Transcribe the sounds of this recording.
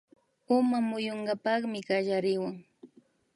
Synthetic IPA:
ʊmamʊjoɴɢɑpɑχmɪɢaʎaɾɪwaŋ

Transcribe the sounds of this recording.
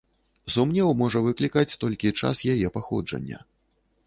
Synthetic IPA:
zumnʲɛwmɔʐɐvɨklʲikat͡sʲt̪ɔlʲkʲit͡ʂa̰sjajɛpaxɔ̰d͡ʐɐ̰nʲːɐ̰

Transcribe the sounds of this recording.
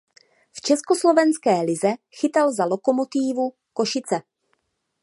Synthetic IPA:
ft͡ʃɛskoslovɛnskɛːlɪzɛxɪt̪alzalo̞ko̞mot̪iːvu | ko̞ʃɪt͡sɛ

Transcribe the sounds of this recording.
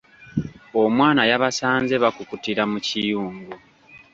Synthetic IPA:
o̞mwaːnajaβasaːnze̞βakukutiɾamucijuːŋɡu

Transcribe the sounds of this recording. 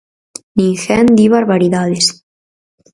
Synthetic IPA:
niŋxɛnd̪iβaɾβaɾiðaðes

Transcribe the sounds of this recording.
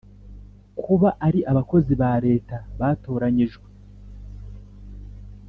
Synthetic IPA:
kʰuβaʔaɾiʔaβako̞ziβaɾe̞ːtaβaːtoːɾaɲiʒɡwe

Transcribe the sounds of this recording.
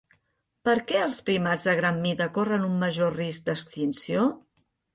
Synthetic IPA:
pəɾkɛəlˠspɾimad͡zðəɣɾamːiðəkorənumːəʒorisk̚d̪əst̪insio

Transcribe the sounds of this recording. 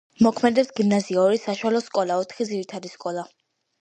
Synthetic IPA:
mɔkʰmɛd̪ɛpsɡimnaziaɔɾisaʃwalɔskʼɔlˠaɔt̪ʰχid̪ziɾit̪ʰad̪iskʼɔlˠa

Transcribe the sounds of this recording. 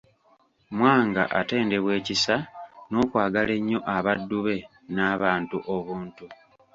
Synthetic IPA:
mwaːŋɡa̰ʔate̞ːnde̞βwe̞ːcisano̞ːkwaːɡale̞ɲːo̞ʔaβadːuβe̞ | naːβaːntuʔo̞βuːntu

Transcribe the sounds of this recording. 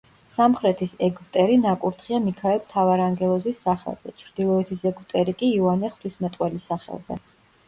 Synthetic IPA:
samχɾɛt̪ʰisɛɡɾt̪ʼɛɾinakʼuɾt̪ʰχiamikʰaɛlˠt̪ʰavaɾaŋɡɛlˠɔzisːaχɛ̰lˠz̥ɛ̰t͡ʃʰɾd̪̥ilˠɔɛt̪ʰisɛɡɾt̪ʼɛɾikʼiːuanɛχt̪ʰismɛt̪ʼqʼwɛlisaχɛ̰lˠz̥ɛ̰

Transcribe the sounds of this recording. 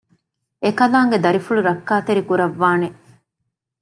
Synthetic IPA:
ekɐlaːŋɡed̪ɐɾifuɭuɾɐkːaːt̪eɾikuɾɐʋːaːne

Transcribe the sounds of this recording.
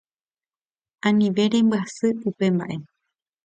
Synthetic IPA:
ãnĩʋe̞ɾe̞mbɨasɨupe̞mba̰ʔe̞

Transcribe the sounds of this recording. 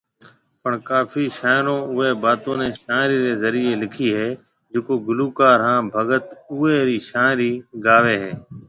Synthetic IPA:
pəɳkaːfʰiːʃaːɪɾõːʊɦeːbaːt̪õːnẽːʃaːɾiːɾeːzəɾiːeːlɪkʰiːɦeː | d͡ʒɪkoːɡʊluːkaːɾɦãːbʱəɡət̪ʊeːɾiːʃaːɾiːɡaːʋeːɦɛː

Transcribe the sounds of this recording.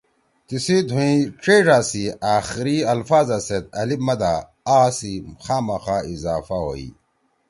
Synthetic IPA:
t̪isid̪ʱũĩʈ͡ʂeːʐaːsiaːxiɾiɐlfaːzaset̪̚ɐlibmɐd̪a | aːsixaːmɐxaːizaːfaɦo̰ːḭ

